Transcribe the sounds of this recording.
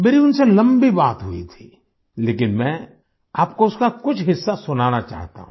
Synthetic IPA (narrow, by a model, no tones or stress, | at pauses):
meːɾiʊnselɐ̃mbibaːt̪ɦʊḭt̪ʰi̥ː | leːkɪnmɛ̃ | aːp̚koʊskakʊt͡ʃʰɦɪsːasʊnaːnat͡ʃa̰ːɦt̪a̰ɦũ